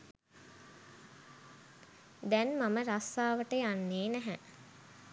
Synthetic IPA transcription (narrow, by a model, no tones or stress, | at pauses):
d̪ɛnmaməɾasːaːʋəʈəjanːeːnæɦɛ